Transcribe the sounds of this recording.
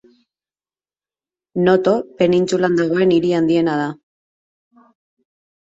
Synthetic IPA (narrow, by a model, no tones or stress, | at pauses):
no̞t̪o̞pe̞nint͡suland̪aɣ̞o̞e̞niɾiand̪ie̞nað̞a